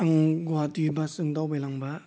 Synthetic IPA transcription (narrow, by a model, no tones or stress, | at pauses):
aŋɡoatibasɯŋdawbejlaŋba